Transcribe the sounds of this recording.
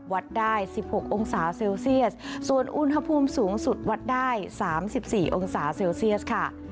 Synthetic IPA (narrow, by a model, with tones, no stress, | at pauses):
wa˦˥t̪̚daː˥˩jsi˨˩p̚ho˨˩k̚ʔo˧ŋsaː˩˦seː˧wsi˥˩ət̚su˨˩ənʔu˦˥nɦa˧pʰuː˧msuː˩˦ŋsu˨˩t̪̚wa˦˥t̪̚daː˥˩jsaː˩˦msi˨˩p̚siː˨˩ʔo˧ŋsaː˩˦seː˧wsi˥˩ət̚kʰa˥˩